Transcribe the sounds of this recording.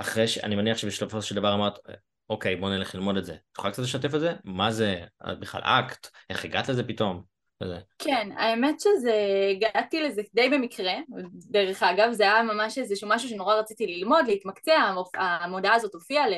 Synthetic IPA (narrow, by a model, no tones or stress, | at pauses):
ʔaχʁeʃea̰nimaniaχʃebiʃlofosʃeld̪avaʁamaʁt̪ | okejbo̞neleχlilmo̞de̞tzet̪u̥χalkt͡sat̪̬leʃat̬efelzemazea̰biχla̰la̰kt̪ʔeχeɡat̪lezepito̞m | vezekʰena̰emetʃezeːɡaatilezekd̪ejbemikʁedeʁeχaɡavzeajamamaʃezeʃumaʃuʃe̞no̞ʁaʁat͡sitililmo̞dleit̪makt͡seaoamo̞daːzo̞t̪ofiale